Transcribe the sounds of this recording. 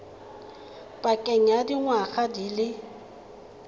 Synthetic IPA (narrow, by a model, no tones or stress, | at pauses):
pʼakʼɛŋ̩adiŋwaɣadilɪ